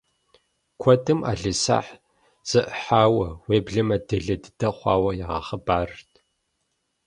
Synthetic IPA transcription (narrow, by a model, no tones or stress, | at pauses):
kʷʰɔtʰɨmʔa̰ːɮɨsa̰ːħ | z̥ɨʔəħaːwɐweːbɮɨmɐdɨɮɐdɨd̥ɐχʷɑːwɐjaʁɐ̰χəbaːrtʰ